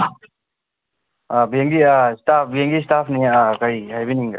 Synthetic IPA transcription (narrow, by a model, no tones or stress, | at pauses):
abieŋɡiastap̚ʰbijeŋɡistapʰniakajhajbiniŋɡa